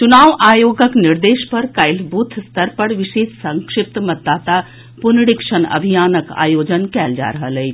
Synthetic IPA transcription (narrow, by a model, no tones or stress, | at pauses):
t͡ʃʊnaːʋaːjoːɡəknɪɾd̪eːʃpɐɾkaɪlbuːt̪ʰst̪ʰəɾpəɽʋɪʃeːssɐ̃ŋkʂɪp̚t̪mɐd̪ːaːt̪a | pʊnɽikʃənɐ̰bʱijaːnəka̰ːjoːd͡ʒənkɛːld͡ʒa̰ːɾɐɦələi